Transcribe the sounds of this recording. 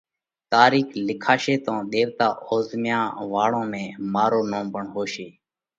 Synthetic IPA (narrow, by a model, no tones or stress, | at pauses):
t̪aːɾiːkʰlɪkʰaːʃeːt̪õːɗ̪eːʋt̪aːoːzmjãːʋaːɽõːmẽːmaːɾoːnõːmpəɳɦoːʃeː